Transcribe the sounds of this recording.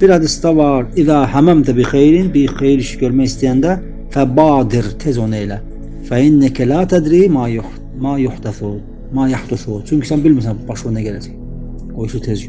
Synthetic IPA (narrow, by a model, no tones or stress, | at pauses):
b̥iɾæd̪isd̪ɑvɑɾiðaːhæmæmt̪ʰabixejɾinbixejiɾiʃɟøɾmæjist̪ijænd̪æ | fæbɑːd̪iɾt̪ʰezonejlæ | fæinːakʰalaːt̪ʰæd̪ɾiːma | maːjuħt̪aθu | maːjaħd̪uθut͡ʃʰyɲkʰisænbilmis̬ænbɑʃonæɟælæsæ̥ | ɡ̥ojuʃut̪ʰez